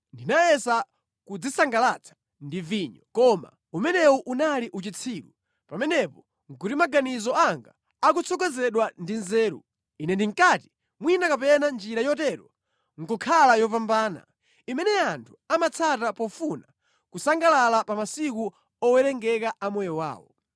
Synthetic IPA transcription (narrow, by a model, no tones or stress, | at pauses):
ndinajɛsa | kud͡zisaŋɡalat͡sʰḁ | ndiviːɲɔkɔma̰ | umɛnɛwɔʔunaliʔut͡ʃit͡sʰiːɾṵ | pamɛnɛpɔ | ŋ̩kutimaɡanizɔaŋɡa̰ | akut͡sʰɔkɔzɛɗwandinzɛːɾṵ | inɛndiŋkati̥ | mwinakapɛnand͡ʒiɾajɔtɛɾɔ | ŋ̩kɔkʰalajɔpambaːna̰ | imɛnɛantʰu̥amat͡sʰatapɔfuna | kusaŋɡalalapamasik̬u | ɔwɛɾɛŋɡɛkaʔamɔjɔwa̰ːwɔ̰